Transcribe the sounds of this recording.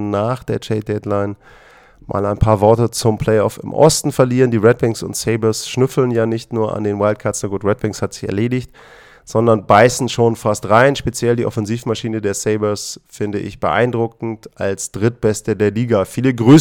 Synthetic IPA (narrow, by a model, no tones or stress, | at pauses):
naːχd̥eːɐt͡ʃʰɛɪd̥ɛtlaɪn | mʔa̰ːlaɪnpʰaːɐvɔɐtət͡sʊmpʰl̥ɛɪɔfɪ̰mʔɔ̰stn̩fɛɐliːʁəndiːʁɛt̚b̥ɪŋsʊ̰ntseɪbɐsʃnʏfl̩njaːnɪçtnuːɐʔa̰ndeːnwaɪlt̚kʰatsəɡuːtʁɛt̚b̥ɪŋshatz̥ɪçɛ̰ɐleːdɪçt | z̥ɔndɐnbaɪsn̩ʃoːnfastʁaɪnʃpet͡sjɛldiːʔɔfɛnziːfmaʃiːnədeːɐseɪbɐsfɪndəʔɪ̰çb̥əʔa̰ɪndʁʊk̚ŋ̩tʔa̰lsd̥ʁɪt̚b̥ɛstədeːɐliːɡafiːləɡʁyː